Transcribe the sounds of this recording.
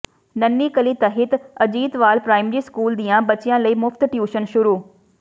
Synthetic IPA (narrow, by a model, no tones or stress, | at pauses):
nɐnːikɐlit̪ɐɦɪt̪ɐd͡ʑiːt̪ʋaːlpɾaːɪmɾiskuːld̪iːãbɐt͡ɕɪjãləiːmʊft̪ʈjuːʃənʃʊɾuː